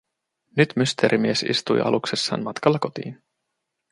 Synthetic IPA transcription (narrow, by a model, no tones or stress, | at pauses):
nyt̪myst̪eːɾʔimiesḭst̪ujʔɑ̰luksesːɑ̰ːnmɑt̪kɑlːɑko̞t̪ḭːn